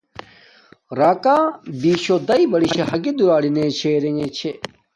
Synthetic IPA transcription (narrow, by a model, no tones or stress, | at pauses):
ɾaːkaːbiːɕod̪ɐibɐɽiɕeɦɐɡid̪uɾaːɽinet͡ɕʰeːɾeɲet͡ɕʰe